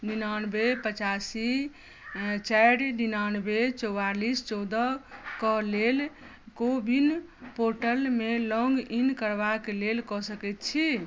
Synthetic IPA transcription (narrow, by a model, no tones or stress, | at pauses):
ɖinanbepət͡ʃasi | t͡ʃɛjɖɖinanbet͡ʃɔwalist͡ʃɔwd̪əkɔlel | kobʱin | poɾʈəlmelɔ̃ŋɡinkəɾbakelelkɔsəkɛt̪̚t͡ʃʰi